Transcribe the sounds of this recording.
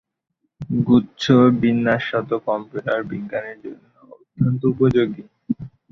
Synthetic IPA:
ɡutːɕʰobinːaʃɔt̪okɔmpuʈaɾbiɡaneɾd͡ʑonːoot̪ʰːont̪oupod͡ʑoɡi

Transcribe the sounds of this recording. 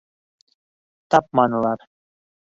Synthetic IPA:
t̪ɑp̚mɑnɤ̆lˠɑɾ

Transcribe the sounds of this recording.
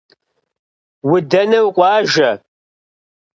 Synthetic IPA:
wʊdɐnɐwqʷʼɑːʒɐ

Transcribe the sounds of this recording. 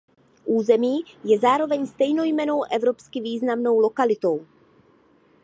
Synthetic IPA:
ʔuːzɛmiːjɛzaːɾo̞vɛɲst̪ɛjno̞jmɛno̞wʔɛvɾo̞pskɪviːznamno̞wlo̞kalɪt̪o̞w

